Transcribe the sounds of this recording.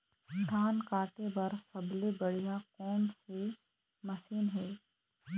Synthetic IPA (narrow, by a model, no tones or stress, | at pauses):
dʰʱaːnkaːʈebɐɾsɐblebɐɽ̤ijaqɔːmse | mɐsiːnɦɛː